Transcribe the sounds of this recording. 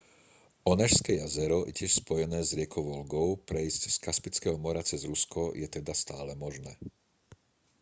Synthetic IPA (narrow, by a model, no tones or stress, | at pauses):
ɔnɛʃskɛjazɛɾɔʔɛ̰cɪɛʃspɔjɛnɛːzɾɪɛkʰɔʋɔlɡɔʊpɾɛizcskaspit͡skɛːɦɔmɔɾat͡sɛzɾuskɔjɛt̪ɛd̪ast̪aːlɛmɔʒnɛː